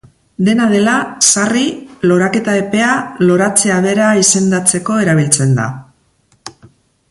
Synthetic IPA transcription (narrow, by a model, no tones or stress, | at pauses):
d̪e̞naðe̞lasarilo̞ɾake̞t̪ae̞pe̞alo̞ɾat͡se̞aβe̞ɾaise̞nd̪at͡se̞ko̞e̞ɾaβ̞ilt͡se̞nd̪a̰